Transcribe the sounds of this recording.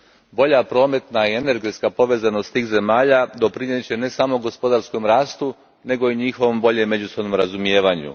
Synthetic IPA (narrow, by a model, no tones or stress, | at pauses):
bo̞ʎapɾo̞ːme̞t̪naie̞ne̞ɾɡe̞t̪skapo̞ʋe̞ːzano̞st̪t̪iːxze̞maːʎad̪o̞pɾiɲet͡ɕe̞ne̞saːmo̞ɡo̞spo̞d̪aɾsko̞mɾaːst̪u | ne̞ɡo̞iɲixo̞ʋombo̞ʎemːe̞d͡ʑuso̞bno̞mɾazumije̞ːʋaɲṵ